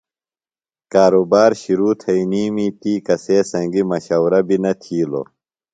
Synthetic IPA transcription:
kaːɾobaːɾɕiɾuːt̪ʰɐiniːmiːt̪iːkɐseːsɐ̃ŋɡimɐɕɐwɾɐbinɐt̪ʰiːlo̰ː

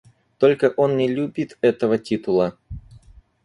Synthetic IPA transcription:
t̪o̞lʲkəʔo̞nnʲɪlʲubʲit̪ɛt̪əvətʲit̪ʊlˠə

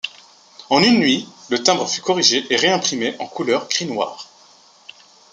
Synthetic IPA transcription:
ɑ̃nynːɥilət̪ɛ̃bʁəfykɔʁiʒeʔeʁeɛ̃pχimeʔɑ̰̃kʰulœʁkχinwa̰ːʁ

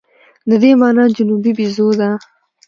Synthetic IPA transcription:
d̪əd̪emɑnɑd͡ʒʊnubibizod̪a

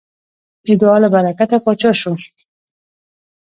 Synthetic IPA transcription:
ɪɡ̪ɑlabaɾakat̪apɔt͡ʃɑʃu

